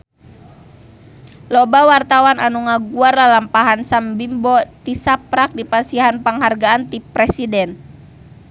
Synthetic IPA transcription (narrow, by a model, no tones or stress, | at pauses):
lɔbawart̪awananuŋaɡuarlalampaɦansambimbɔt̪isapɾak̚dipasiɦanpaŋɦarɡaːnt̪ipɾɛsidɛn